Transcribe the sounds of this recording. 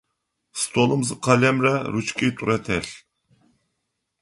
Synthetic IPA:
st̪ʰolˠɨmzɨqʰɑlɛmɾɛɾut͡ʃkʲʰit̪ʰuɾɛt̪ʰɛɬ

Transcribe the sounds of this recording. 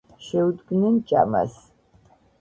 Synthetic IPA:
ʃɛud̪ɡnɨnt͡ʃʼa̰mɐ̰s

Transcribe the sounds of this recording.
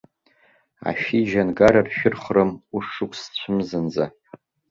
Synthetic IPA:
a̰ʃiʒanɡaɾarʃᶣʊrχrɨmuʂɨkʷʰʼst͡ɕʷʰɨmzɨnd͡za

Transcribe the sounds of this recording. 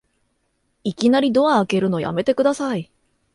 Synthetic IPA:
ikʲinaɾʲid̪o̞aːke̞ɾɯ̟no̞ja̰me̞t̪e̞kɯ̟d̪asai

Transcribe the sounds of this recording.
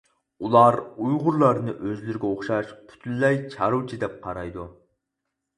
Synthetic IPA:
ulˠɑɾujʁʊɾlˠɑɾnɨʔøzlɪɾɪɡʲɛoχʃɑʃpʰy̥t̪ʰynlɛjt͡ʃʰɑɾut͡ʃʰid̪ɛp̚qʰɑɾɑjd̪u

